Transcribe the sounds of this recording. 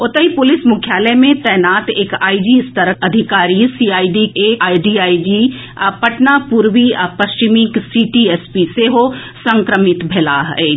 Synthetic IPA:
ʊt̪əɦipʊlɪsmʊkʰjaːləmẽt̪ɛːnaːt̪eːkaːid͡ʒist̪əɾəɐd̪ʱɪkaːɾisiːaːiɖieaːiɖiaːid͡ʒi | pɐʈnapuɾwipɐst͡ʃimiksiːʈiɛːspiseɦo | sɐ̃ŋkɾəmɪt̪bʱelaɦeː

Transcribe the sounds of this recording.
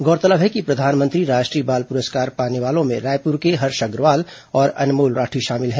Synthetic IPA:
ɡɔːɾt̪ələbɦɛkipɾɐd̪ʱaːnmə̃nt̪ɾiɾaːʃʈɾiːbaːlpʊɾəskaːɾpaːneʋaːlõmẽɾaːjpʊɾkeɦɐɾʃɐɡɾʋaːl | ɔːɾɐ̰nmoːlɾaːʈʰiʃaːmɪlɦɛ̃ː

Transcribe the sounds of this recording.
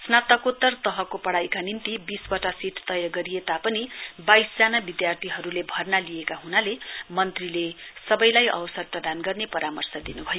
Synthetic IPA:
snat̪ʌkot̪ːʌrt̪ʌɦʌkopʌɽajkanint̪ibisbʌʈasiʈʰt̪ʌjʌɡʌɾiet̪apʌnibajsd͡zanabid̪jart̪ʰiɦʌɾulebʱʌrnalijekaɦunalemʌnt̪rilesʌbʌjlajʔʌ̰wsʌrprʌd̪anɡʌrnepʌɾamʌrsʌd̪inubʱʌjo

